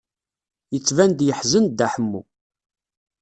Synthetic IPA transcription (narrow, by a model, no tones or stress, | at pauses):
jət͡sːvænd̪jəħzənd̪æħəmːṵ